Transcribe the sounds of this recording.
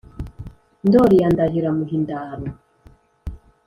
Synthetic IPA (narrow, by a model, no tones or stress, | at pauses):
ndɔɾiandaɦiɾamuɦindaːβɔ